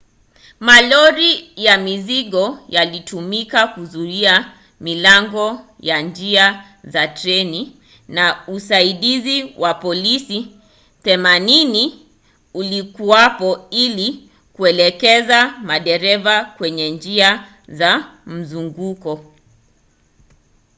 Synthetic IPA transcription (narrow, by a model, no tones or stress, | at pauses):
malɔɾijamiziɠɔjalitumikakuzuia | milaŋɡɔ | jand͡ʒia | zatɾɛni | nausaiɗiziwʔapɔlisi | θɛmanini | ulikuwapɔili | kuɛlɛkɛzamaɗɛɾɛvakwɛɲɛnd͡ʒia | zam̩zuŋɡukɔ